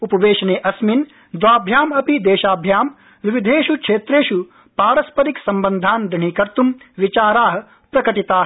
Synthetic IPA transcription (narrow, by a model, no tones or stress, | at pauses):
upɐʋeːʃɐneːʔɐsmin | d̪ʋaːbʱjaːmɐpid̪eːʃaːbʱjaːm | ʋiʋid̪ʱeːʃukʂeːt̪ɾeːʃu | paːɾɐspɐɾiksɐmbɐnd̪ʱaːnd̪iɳ̤ikɐɾt̪umʋit͡ʃaːɾaːɦɐ̆ | pɾɐkɐʈit̪aːɦ